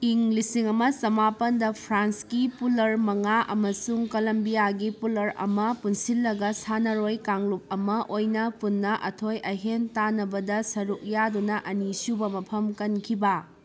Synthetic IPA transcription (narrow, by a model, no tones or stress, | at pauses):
iŋlisiŋɐmɐsɐmapɐndɐpʰɾanskipulɐɾmɐŋaʔɐ̰mɐsuŋkolɐmbijaɡipulɐɾɐ̰mɐpunsilːɐɡɐsanɐɾojkaŋlup̚ɐmɐʔojnɐpunːɐʔɐtʰojɐjɦentanɐbɐdɐsɐɾuk̚jadunɐʔɐnisubɐmɐpʰɐmkɐnkʰibɐ